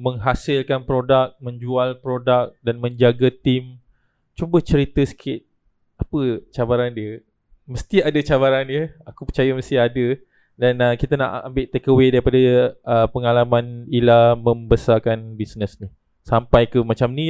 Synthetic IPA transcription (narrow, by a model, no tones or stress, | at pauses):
mə̃ŋɦasɪlkanpɾodak̚mə̃ɲd͡ʒualpɾodak̚danmə̃ɲd͡ʒaɡət̪im | t͡ʃubəht͡ʃəɾit̪əsə̥kʰɪt̪̚ | apət͡ʃabaɾandiə | məst̪iadət͡ʃaβaɾandiəakupət͡ʃajəməst̪iadə | danəkit̪ana̰ʔa̰mbɪʔt̪ekəwedaɾipadaəpəŋalamãnilamə̃mbəsakanbisnəsnih | sampajkəmat͡ʃamni